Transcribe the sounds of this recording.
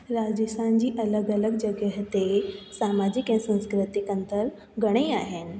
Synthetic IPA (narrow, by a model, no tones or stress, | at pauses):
ɾaːd͡ʑəsʰand͡ʑiːʔɐləɡələɡd͡ʑɐɡjəɦt̪esaːmad͡ʑɪkɛ̃sə̃nskɾɪt̪ɪkə̃nt̪əɾ | ɡɐɽ̃eaːɦenɪ̆